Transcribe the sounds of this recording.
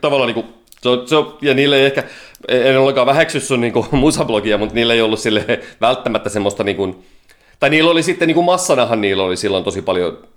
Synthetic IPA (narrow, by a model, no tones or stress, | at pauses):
t̪ɑʋɑlːˑɑːniːŋku | seoseojɑniːlːeiehkæeenːeolːeŋkɑːʋæheksysːunniːŋkumusɑblokiɑmut̪niːlːeiolːussilːeʋælt̪ːæmæt̪ːæsemːost̪ɑniːŋkun | t̪ɑiniːlːolisit̪ːeniːŋkummɑsːɑnɑhɑnniːlːolisilːont̪osipɑljo̰